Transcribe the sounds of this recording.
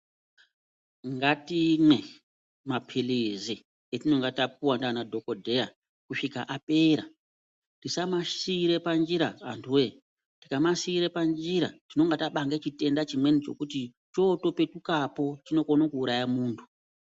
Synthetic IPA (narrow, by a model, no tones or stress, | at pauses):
ŋɡatimwe̞ | mapʰilizi | etino̞ŋɡatap̚uwandanadʱo̞ko̞dʱe̞ja | kuʂikaʔape̞ːɾa | tisamaiɾe̞pand͡ʒiɾaa̰ntʰuwe̞ | tikamasiːɾe̞pand͡ʒiɾa̰tino̞ŋɡataɓaŋɡet͡ʃite̞ndat͡ʃimwe̞nit͡ʃo̞̰kuti | t͡ʃo̞to̞pe̞tukapo̞t͡ʃino̞ko̞nakuːɾajamuːntʰu̥